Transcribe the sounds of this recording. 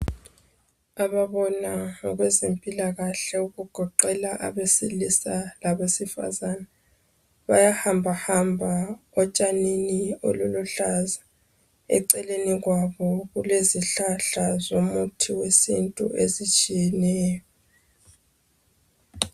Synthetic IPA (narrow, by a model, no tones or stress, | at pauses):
aβaβɔnaŋɔɣwɛzempʼilaɣaɬɛuɣuɡ̥ʱɔǃɛlaʔa̰βesilisalaβesifa̰zana | βajahambʱahambʱaɔt͡ʃʼaninio̰lulɔɬaza | ɛ̰ǀɛleniɣwaβɔɣuleziɬaɬazomutʰiwesḭntʼṵʔezit͡ʃʼijɛnɛːjjɔ